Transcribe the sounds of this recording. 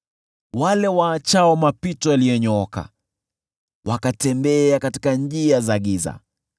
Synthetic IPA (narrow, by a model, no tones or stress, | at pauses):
walɛwaːt͡ʃaɔmapitɔaliɔɲɔɔka̰ | wʔakatɛmbɛakatikaɲʄiazaɠiza̰